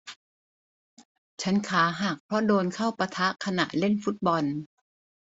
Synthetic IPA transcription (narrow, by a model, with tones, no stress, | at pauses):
t͡ɕʰa˦˥nkʰaː˩˦ɦaː˨˩k̚pʰɾɔ˦˥doː˧nkʰa˥˩wpa˧t̪ʰa˦˥ʔkʰa˧na̰˨˩ʔle˥˩˨nfu˦˥t̪̚bɔ˧n